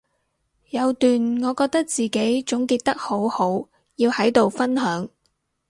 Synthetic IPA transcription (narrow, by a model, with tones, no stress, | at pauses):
jɐ˨˧wt̪yː˨nŋɔː˨˧kɔː˧k̚t̪ɐ˥k̚t͡siː˨ke˨˥jt͡sʊ˨˥ŋkiː˧t̚t̪ɐ˥k̚ho˨˥who˨˥w | jiː˧whɐ˨˥jt̪o˨wfɐ˥nɦœː˨˥ŋ